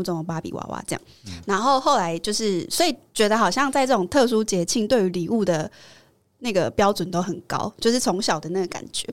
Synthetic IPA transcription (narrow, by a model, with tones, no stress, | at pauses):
u˥˧ɔ˥˩˨pa˥pḭ˨˩wa̰˧˥wa̰˧˦ʈ͡ʂɤ˥˧jɑ̰˥˩ŋna˧˦nxo˥˧ʊxo˥˩ʊla˧˦ɪt͡ɕjo˥˧ʊʂɻ̩˥˩swɔ˧˥i˨˩t͡ɕɥɛ˧˥d̪ə˧xɑ˨˩ʊɕjɑ˥˧ŋt͡sa˥˧ɪʈ͡ʂɤ˥˩ʊ˨˩ŋt̪ʰɤ˥˧s̬u˥t͡ɕjɛ˧˥t͡ɕʰi˥˧ŋt̪we˥˩ɪy˧˥li˨˩u˥˩d̪ə˩ | na˥˩ɡə˩pjɑ˥ʊt͡swə˨˩nt̪o˥ʊxə˨˩nkɑ̰˥ʊt͡ɕjo˥˧ʊʂ̬ɻ̩˥˩t͡sʰo˧˥ŋɕjɑ˨ʊd̪ə˩˦na˥˩ɡə˩ka̰˨˩nt͡ɕɥɛ̰˨˦